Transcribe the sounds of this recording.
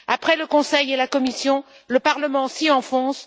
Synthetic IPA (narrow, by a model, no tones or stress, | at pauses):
apχɛləkɔ̃sɛjelakɔmisjɔ̃ | ləpaʁləmɑ̃siɑ̃fɔ̃s